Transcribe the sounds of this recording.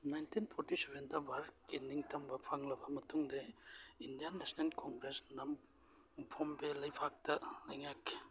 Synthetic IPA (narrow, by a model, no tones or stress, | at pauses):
najntʰinpʰoɾtisebentɐbʱaɾkiniŋtɐmbɐpʰaŋlɐbɐmɐtuŋdeindijanːesnelkoŋɡɾesnɐm | pʰombelɐjpʰak̚tɐlɐjŋakʰːe̥